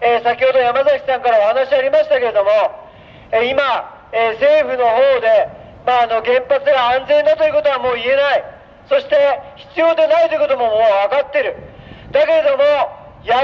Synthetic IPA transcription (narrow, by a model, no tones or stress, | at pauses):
eːsakʲiho̞d̪o̞jamazakʲi̥sãŋkaɾao̞hanaɕiaɾʲimaɕi̥t̪ake̞ɾe̞d̪o̞mo̞ | eima | eːse̞ːɸɯ̟no̞ɦo̞ːd̪e̞ | maːno̞ɡẽ̞mpat͡sɨɡaãnd͡zẽ̞nd̪at̪o̞jiɯ̟ko̞t̪o̞β̞amo̞ːie̞nai | so̞ɕi̥t̪e̞çi̥t͡sɨjo̞ːd̪e̞nait̪o̞iɯ̟kot̪omo̞moːβakat̪ːe̞ɾɯ̟ | d̪̥ake̞ɾe̞d̪o̞mo | ja